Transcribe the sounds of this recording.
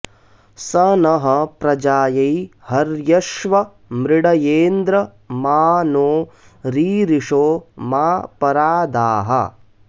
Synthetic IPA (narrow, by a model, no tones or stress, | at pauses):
sɐnɐɦɐpɾɐd͡ʒaːjɐjhɐɾjɐʃʋɐ | mɾɪɽɐjeːnd̪ɾɐ | maːnoː | ɾiːɾiʂoːmaːpɐɾaːd̪aːɦɐ̰